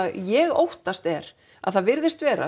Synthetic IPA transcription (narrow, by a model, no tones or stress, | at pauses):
ðjɛɣo̰wht̪ast̪ɛɾ̥ | a̰ðθaðvɪɾðɪst̪vɛːɾa̰